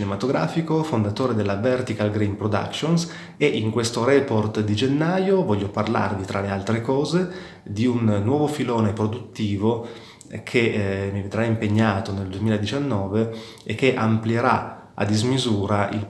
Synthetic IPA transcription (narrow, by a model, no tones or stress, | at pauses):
nemat̪oɡɾa̰ːfikofond̪at̪oːɾed̪elːavɛrt̪ikalɡɾimpɾod̪a̰kʃons | eʔiŋkwest̪oɾɛport̪d̪id͡ʒenːaːjovɔʎːoparla̰rvit̪ɾʔalealt̪ɾekɔːze | d̪iunːwɔːvofilɔːnepɾod̪ut̪ːiːvo | kʰemːived̪ɾaimpeɲːaːt̪oneld̪uemiːlaed̪it͡ʃanːɔːve | ekːeʔampljeɾa̰ | a̰d̪izmizuːɾaʔḭl